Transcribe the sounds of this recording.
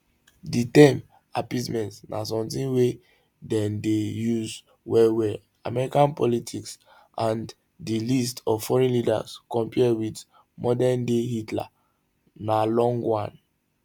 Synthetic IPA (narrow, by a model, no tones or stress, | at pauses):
ditɛ̃m | apitmɛ̃ntsnʔa̰sɔ̃mtĩnwe | dɛ̃ndejuz | wɛwɛ | a̰mɛɹikãnpɔlitʰiks | ʔãn | dilistʰɔvfɔɹɛ̃nlida̰skɔ̃mpiɛwid | mɔdɛndehitla̰ | nalɔ̃ŋɡwãn